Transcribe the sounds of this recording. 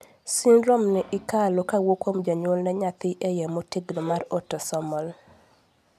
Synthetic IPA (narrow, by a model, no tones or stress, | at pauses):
sinɾɔmnɪʔɪkalokawokomd͡ʒaɲolnɛɲat̪ɪʔejɛmotiɡlomarotːɔsɔmɔl